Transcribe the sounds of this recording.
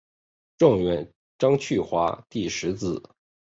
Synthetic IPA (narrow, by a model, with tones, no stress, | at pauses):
ʈ͡ʂʊ˥˩ŋɥɛ˧˥n | ʈ͡ʂɑ˥ŋt͡ɕʰy˥˩xwa˧˥t̪i˥˩ʂɻ̩˧˥t͡sɹ̩˨˩˦